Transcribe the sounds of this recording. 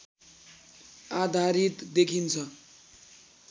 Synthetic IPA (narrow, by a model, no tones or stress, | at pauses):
ad̪ʱaɾit̪d̪ekʰint͡sʰʌ